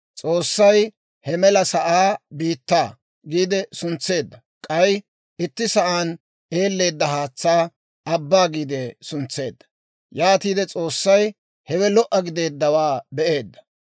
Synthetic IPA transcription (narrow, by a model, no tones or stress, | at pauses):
t͡sʼo̞ːsːɐj | hɛmɛlɐsɐʔaːbiːt̪ːaː | ɡiːd̪ɛsʊnt͡sːe̞ːd̪ːɐ | kʼɐj | ɪt̪ːɪsɐʔaːn | e̞ːlːe̞ːd̪ːɐhaːt͡sːaː | ɐbːaːɡiːd̪ɛsʊnt͡sːe̞ːd̪ːɐ̥ | jaːt̪iːd̪ɛt͡sʼo̞ːsːɐj | hɛwɛlɔʔɐɡɪd̪e̞ːd̪ːɐwaːbɛʔe̞ːd̪ːɐ̥